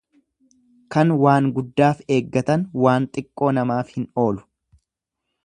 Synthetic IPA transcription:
kɐnwaːŋɡʊd̪ːaːfe̞ːɡːɐt̪ɐnwaːnt̪ʼɪkʼːo̞ːnɐmaːfhɪno̞ːlʊ̥

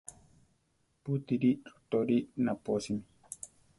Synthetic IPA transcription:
put̪iɾiɾu̥t̪oɾiʔnaposimi

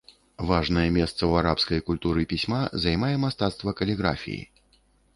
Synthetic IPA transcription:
vaʐnɐjɛmʲɛst̪sɐwaɾapskɐjkulʲt̪uɾɨpʲisʲmazajmajɛmast̪at̪st̪vɐkɐlʲiɣɾa̰fʲḭjḭ

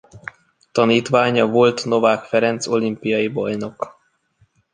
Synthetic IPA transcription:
t̪ɒniːt̪ʋaːɲɒvo̞lt̪no̞vaːkfɛɾɛnt̪so̞limpijɒjibɒjno̞k

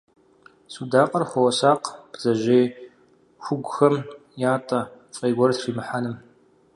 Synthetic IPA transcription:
suːdaːqʼɐrxʷɔwɐsaːqb̥z̥ɐʒeː | xʷʊɡʷʊxɐmjaːtʼɐfʼeːɡʷɔrtriːmɨħanɨm

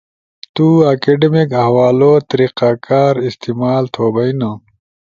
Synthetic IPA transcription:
t̪uɐkeɖemikɐɦwaːlot̪ɐɾiqaːkaːɾist̪imaːlt̪ʰoːbɐinɐ̃

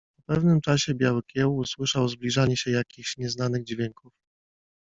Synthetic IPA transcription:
pɔpɛvnɘmt͡ʂaɕɛbʲjawɘkʲjɛwuswɘʂawzblʲiʐaɲɛɕɛjakʲixɕɲɛznanɘɣd͡ʑvʲjɛŋkuf

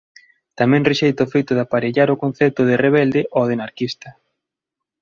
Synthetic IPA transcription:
t̪amɛ̃ŋreʃejt̪ʊofejt̪ʊðapaɾeʎaɾokon̟θɛt̪ʊð̞ɪreβ̞ɛld̪ɪʔoð̞enaɾkist̪ɐ

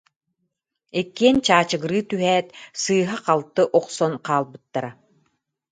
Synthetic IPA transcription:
ɛkːiɛnt͡ɕaːt͡ɕɯɡɯɾɯːt̪yɦɛːt̪sɯːɦaqalˠt̪ːɯʔɔqsɔnqaːlˠbɯt̪ːaɾa

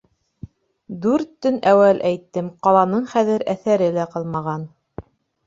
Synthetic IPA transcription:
d̪ʉɾt̪ːɵnæwælʔæjt̪ːɘmqɑlˠɑnɤɴχæðɘɾæθæɾɘlæqɤlˠmɑʁɑn

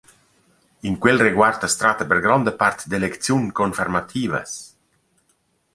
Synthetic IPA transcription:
iŋkwelreɡwart̪əst̪ɾat̪əpeɾɡɾɔnd̪əpart̪d̪elekt̪sjuŋkonfermat̪ʰiːvə̰s

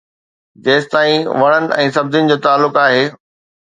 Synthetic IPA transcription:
d͡ʑeːst̪aːĩʋɐɽ̃ənɪ̆ʔɛ̃ːsɐb̚d̪ɪnɪ̆d͡ʑoːt̪aːlːʊkaːɦeː

